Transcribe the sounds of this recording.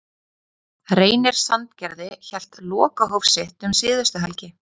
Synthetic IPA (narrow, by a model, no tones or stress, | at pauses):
reːjnɪɾ̥sant̪cɛɾðɪçɛl̥t̪lɔːkaɦowfsɪht̪ʏmsɪːðʏst̪ʏɦalcɪ